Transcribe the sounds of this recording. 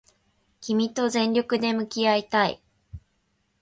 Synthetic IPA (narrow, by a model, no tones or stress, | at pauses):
kʲimʲit̪o̞zẽ̞ɲʲɾʲo̞kɯ̟d̪e̞mɯ̟kʲiait̪aḭ